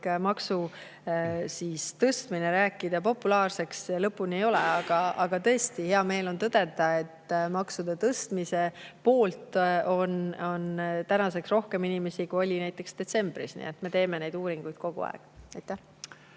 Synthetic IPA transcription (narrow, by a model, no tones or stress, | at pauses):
mɑksu | sist̪ɤst̪mine̞ɾæːkːˑid̪̥ɑpo̞pːulɑːrse̞kselɤpːˑunie̞jo̞leɑɡ̥ɑʔɑɡ̥ɑt̪ɤ̞est̪ihe̞ɑme̞ːlo̞nt̪ɤd̪̥e̞t̪ɑe̞t̪ːmɑksud̪̥et̪ɤst̪mise̞po̞ːlt̪o̞no̞nt̪ænɑse̞ksro̞hke̞minime̞sikuo̞lʲinæjt̪ːˑe̞ksd̪̥e̞t̪se̞mb̥ɾisnḭet̪me̞t̪e̞ːme̞ne̞jd̪uːɾiŋɡ̥ujd̪̥̚ko̞ɡ̥ṵɑ̰ḛɡ̥ɑjt̪ːˑæh